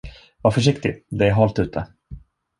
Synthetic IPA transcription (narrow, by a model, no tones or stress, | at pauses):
vafœʂ̬ɪkt̪ɪd̪ɛæɾɦɑlt̪ʉ̟ːt̪ʰə